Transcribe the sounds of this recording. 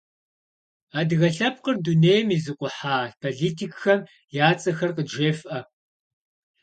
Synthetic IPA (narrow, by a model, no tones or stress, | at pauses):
aːdɣɐɬɐp̚qərduneːjmizɨqʷʼʊħaːpʰoɮiːtʰikxɐm | jaːt͡sʼɐxɐrqəʒeːfʔɐ